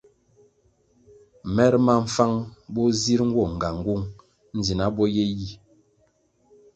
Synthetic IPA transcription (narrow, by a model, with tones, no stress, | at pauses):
mɛ˦ɾma˦ɱ̩˨fa˦ŋbɔ˦zi˦ɾŋ̩˦ɡwɔ˦˨ŋ̩˨ɡa˨ŋ˨˦ɡu˦˨ŋ | n̩˦d͡zi˨na˦bɔ˦je˦ji˦